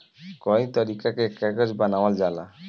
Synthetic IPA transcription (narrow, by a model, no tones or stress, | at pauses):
kɔjt̪ɔɾikakekɛɡɔd͡ʒbanawald͡ʒala̰